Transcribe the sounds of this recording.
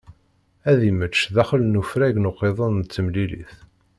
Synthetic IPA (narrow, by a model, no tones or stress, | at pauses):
æðimət͡ʃːðæχəlnufɾæʝnoqːeðˤənt͡sːəmlilḭθ